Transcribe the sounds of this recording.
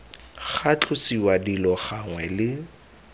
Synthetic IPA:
χat͡ɬʼʊsiwadilɔχaŋwɛlɪ

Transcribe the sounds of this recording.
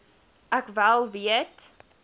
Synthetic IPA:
ʔækvælˠviət

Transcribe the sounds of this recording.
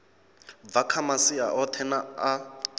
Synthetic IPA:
vakʰamasia̰ʔɔtʰɛnaː

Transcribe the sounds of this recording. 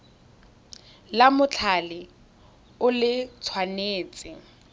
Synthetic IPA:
lamʊt͡ɬʰalɪ | ʊlɪt͡sʰwaneːt͡sʼɪ

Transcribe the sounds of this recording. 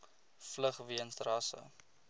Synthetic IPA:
fləχviənsrɑsə̰

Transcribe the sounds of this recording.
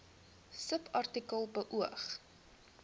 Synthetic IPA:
səpʰɐrtikəlˠbəʔuəχ

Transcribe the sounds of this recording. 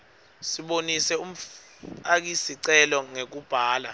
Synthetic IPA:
siɓonisɛum̩ | ak̬isiǀɛlɔŋek̬ub̥ʱaːla

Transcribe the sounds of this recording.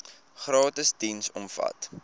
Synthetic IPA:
χrɑːtəsdinsɔmfɐ̰t

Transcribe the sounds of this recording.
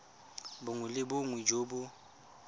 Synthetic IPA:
bʊŋʊlɪbʊŋwɪd͡ʒoːbʊ

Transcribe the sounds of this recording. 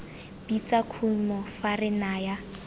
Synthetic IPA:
b̥it͡sakʰumɔfarɪnaja

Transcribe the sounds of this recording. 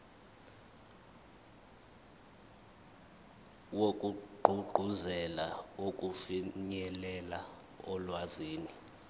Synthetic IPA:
wokʼuɡ͡ǃʱuɡ͡ǃʱuzɛla̰okʼufiɲɛlɛla | ɔlwaziːni

